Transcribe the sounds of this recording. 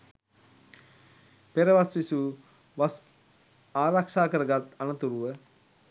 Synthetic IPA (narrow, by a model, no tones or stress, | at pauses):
peɾəʋasʋisu | ʋas | aːɾakʂaːkəɾəɡat̪anət̪uɾuʋə